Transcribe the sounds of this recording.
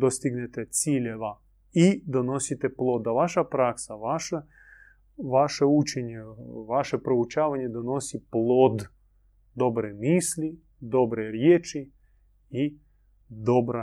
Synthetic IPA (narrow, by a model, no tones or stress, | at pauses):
d̪ost̪iɡnet̪et̪siːʎeʋa | id̪ono̞sit̪eplˠo̞d̪dːaʋaʃapɾaksaʋaʃa | ʋaʃeut͡ʃeɲeʋaʃe̞pɾo̞ut͡ʃaːʋaɲed̪ono̞siplˠoːd̪ | d̪o̞bɾemiːsli | d̪o̞bɾeɾjeːt͡ʃi | i | d̪o̞bɾa